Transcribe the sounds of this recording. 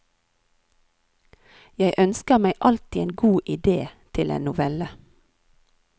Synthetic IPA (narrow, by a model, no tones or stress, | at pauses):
jæɪʔœnskəmæɪʔɑlt̪ieːnɡuːʔɪd̪eːt̪ʰɪlḛːnʊʋɛlə